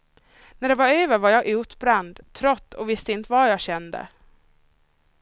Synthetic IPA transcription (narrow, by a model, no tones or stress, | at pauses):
næɖɛvɑɾœːvəɾvɑɾjɑʔʉːt̪bɾɛnd̪t̪ʰːɾɔt̪ːɔvɪst̪əɪnt̪əvɑjɑɡɕɛnd̪ə̰